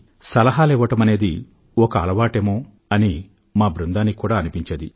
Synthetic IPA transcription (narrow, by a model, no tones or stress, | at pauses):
sɐlɐɦaːlɛːʋɐʈɐmɐne̞ːd̪i | ɔkɐːlɐʋaːʈeːmoː | ɐni | maːbɾund̪aːnːikuːɽaːɐnipiɲt͡ʃeːd̪ḭ